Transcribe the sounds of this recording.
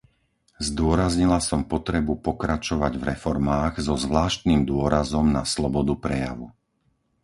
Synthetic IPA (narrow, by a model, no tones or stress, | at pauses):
zd̪ʊɔɾazɲilasɔmpɔt̪ɾɛbupɔkɾat͡ʃɔʋaɟvɾɛfɔɾmaːɣzɔzʋlaːʃt̪nimd̪ʊɔɾazɔmnaslɔbɔd̪upɾɛja̰ʋu